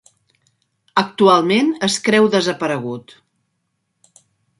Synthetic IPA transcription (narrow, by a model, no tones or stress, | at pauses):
ək̚t̪ualˠmenəskɾɛwðəzəpəɾəɣ̞ut̪